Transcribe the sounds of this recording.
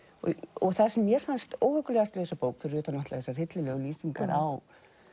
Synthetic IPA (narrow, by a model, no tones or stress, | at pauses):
ɔɔ̰ɣθaðsɛmːjɛɾ̥fanst̪oːwhœkʏlɛɣast̪lɪːðsapoːwkfɪɾʏːt̪anaht̪aθɛsːar̥hɪt̪lɪlɛːɣʏliːsiŋka̰ɾʔaw